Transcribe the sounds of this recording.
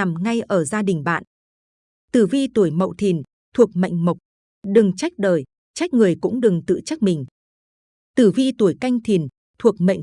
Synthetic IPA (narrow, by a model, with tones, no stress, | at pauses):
a˨˩mŋa˧jʔəː˧˩zaː˧ɗï˨˩ŋ̟ɓa̰ː˧˨n | t̪ɨ˧˩vi˧t̪u˧˩əjmə̰˧˨wt̪ʰi˨˩n | t̪ʰu˨˩ək̚ma̰˧˨jŋ̟mə˨˩wk͡p̚ | ɗɨ˨˩ŋt͡ɕa˦˥jk̟̚ɗəː˨˩j | t͡ɕa˦˥jk̟̚ŋɨ˨˩əjkʊ̰˧˥ŋ͡mɗɨ˨˩ŋt̪ɨ̰˧˨t͡ɕə˦˥k̚mï˨˩ŋ̟ | t̪ɨ˧˩vi˧t̪u˧˩əjka˧jŋ̟t̪ʰi˨˩ən | t̪ʰu˨˩ək̚mə̰˧˨jŋ